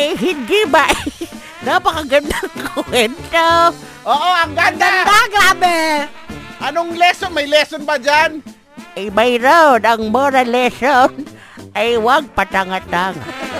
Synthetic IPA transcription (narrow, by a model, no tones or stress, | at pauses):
jɦɪdɡɪbaʔ | d̪apakaɡand̪aŋkʊwɛnt̪o | ʔoːʔoaŋɡand̪aand̪aɡɾaːbe | ʔanoŋlɛsonmajlɛsonbad͡ʒan | ɪjmajɾad̪aŋmɔɾalɛson | ʔajwaɡ̚pat̪aŋat̪aŋ